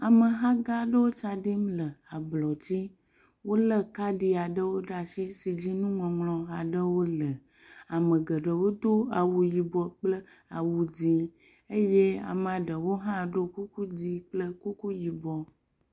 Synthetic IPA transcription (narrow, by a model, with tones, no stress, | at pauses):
a˨mə˨ɦã˦ɡa˦ɖə˦wo˦t͡ʃa˨ɖi˦mlə˨a˨blɔ˨d͡ʑi˦ | wo˦lə˦ka˦ɖi˦a˨ɖə˦wo˦ɖa˨si˦si˨d͡ʑi˦nũ˦ŋɔ̃˨ŋlɔ̃˨a˨ɖə˦wo˦lə˨ | a˨mə̃˨ɡə˨ɖə˨wo˦d̪o˦a˨wu˨ji˨bɔ˨k͡plə˦ | a˨wu˨d͡zi˨ | e˦je˦a̰˨m˨a˨ɖə˨wo˦ɦã˦ɖo˦ku˦ku˦di˨k͡plə˦ku˦ku˦ji˨bɔ˨